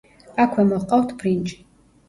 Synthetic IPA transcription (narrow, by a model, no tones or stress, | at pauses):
akʷʰɛmɔʁqʼawt̪ʰbrint͡ʃʼi̥